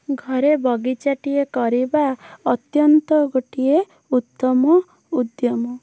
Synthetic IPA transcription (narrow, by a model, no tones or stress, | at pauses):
ɡʱɔɾebɔɡit͡ʃaʈiekɔɾibaɔt̪jɔnt̪ɔɡoʈie | ut̪ːɔmɔ | ud̪jɔmɔ